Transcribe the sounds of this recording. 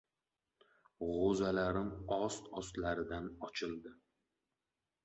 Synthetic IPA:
ʁozalaɾɪmɒst̪ɒst̪laɾɪd̪anɒt͡ʃʰɪld̪ɪ

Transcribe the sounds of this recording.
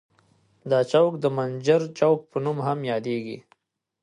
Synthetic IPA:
d̪ɑt͡ʃawkd̪əmand͡ʒəɾt͡ʃawk̚pənumɦamjɑd̪eɡḭ

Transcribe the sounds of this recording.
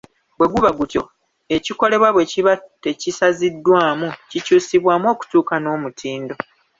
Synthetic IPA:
bwe̞ɡuβaɡutjo̞ | e̞ciko̞le̞βwaβwe̞ciβate̞cisazidːwaːmucicuːsiβwaːmo̞ːku̥tuːkano̞ːmutʰiːndo̞

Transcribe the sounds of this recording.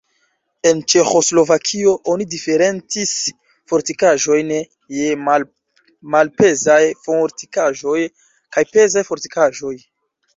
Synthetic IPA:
e̞nt͡ʃe̞xo̞slo̞vakʰio̞ʔonidife̞ɾe̞nt͡sis | fo̞ɾtikaʒo̞jn | jem | malpe̞zajfoɾtikaʒo̞j | kajpe̞zajfo̞ɾtikaʒo̞j

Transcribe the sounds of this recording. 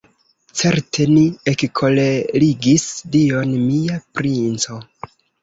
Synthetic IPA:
t͡se̞ɾtʰe̞niekkʰo̞leliɡisdio̞nmiapɾint͡so̞

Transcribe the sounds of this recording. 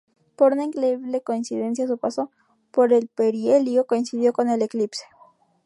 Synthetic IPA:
po̞ɾunaiŋkɾeiβle̞ko̞insiðe̞ns̬jas̬upaso̞ | po̞ɾe̞lpeɾjeljo̞koinsiðjo̞ko̞ne̞le̞klipse̥

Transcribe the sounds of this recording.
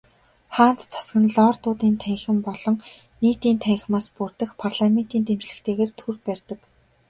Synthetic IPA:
χaːn̥t͡st͡sʰḁsɡə̆nɮɔːrt̪ʊːt̪iːnt̪ʰæŋxɘ̆mpɔɮɞ̆ŋ | niːt̪iːnt̪ʰæŋx̆maːspurt̪ə̆xpʰarɮamen̥t̪iːnt̪emt͡ɕɮɘ̆kt̪ʰeːɣeːrt̪ʰurpærʲt̪ə̆k

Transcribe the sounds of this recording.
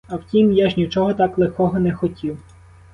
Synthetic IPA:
ɐwtʲimjaʒnʲit͡ʃɔɦɔt̪ɑklˠexkɔɦɔnɛxɔtʲiw

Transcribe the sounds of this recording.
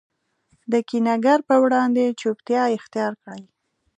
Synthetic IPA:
d̪əkinaɡaɾpəwɽɑnd̪et͡ʃupt̪jɑɪxt̪ijɑɾkɽəj

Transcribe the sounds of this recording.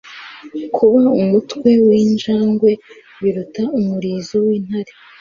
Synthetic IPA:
kʰuβaumutkwe̞wiːnd͡ʒaːŋɡwe̞ | βiɾutaumuɾiːzowiːn̥haɾe

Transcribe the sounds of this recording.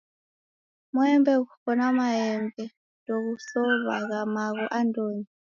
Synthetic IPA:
mɔɛmbɛkukɔnamaɛmbɛ | doɣusɔβa̰ɣamaɣɔʔandoːɲi

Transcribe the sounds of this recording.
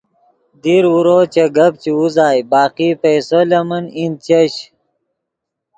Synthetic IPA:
d̪iɾuɾot͡ɕɐɡɐbt͡ɕiuzaːjbaːqipejsolɐmɐnin̚t͡ɕɐɕ

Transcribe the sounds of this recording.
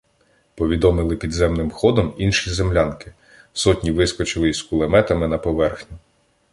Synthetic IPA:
pɔʋʲid̪ɔmɪlˠɪpʲid̪zɛmnɪmxɔd̪ɔminʃizemlʲɑnkɪ̥ | sɔtʲnʲiʋɪskɔt͡ʃɪlˠɪskʊlˠemɛt̪ɐmɪnɐpɔʋɛrxnʲi

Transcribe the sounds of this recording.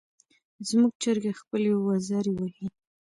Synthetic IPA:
zmuɡ̚t͡ʃəɾɡaxpəlewazɑɾiwahi

